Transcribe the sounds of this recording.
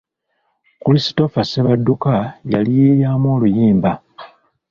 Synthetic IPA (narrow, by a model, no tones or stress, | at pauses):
kulisi̥to̞faseβadːukaja̰lijeɾjaːmwo̞ːlujiːmba